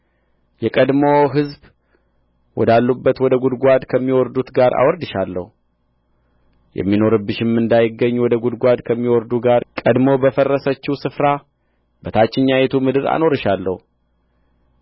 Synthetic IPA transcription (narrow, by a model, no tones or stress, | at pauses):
jɛkʼəd̪mo̞ɦɨzb | wɔ̰d̪alːubːət̪wɔd̪əɡud̪ɡʷad̪kʰəmːiwɔɾd̪ut̪ɡaɾa̰wɔɾd̪ɨʃalːə̰hu | jɛ̰mːino̞ɾɨbːɨʃɪmːɨnd̪ajɪɡːəɲːwɔd̪əɡud̪ɡʷad̪kʰəmːiwɔɾd̪uɡaɾkʼəd̪mo̞bəfərːəsət͡ʃːɪwsɨfɾa | bət̪ʰat͡ʃːɪɲːajet̪ʰumɨd̪ɨɾa̰no̞ɾɨʃalːə̰hu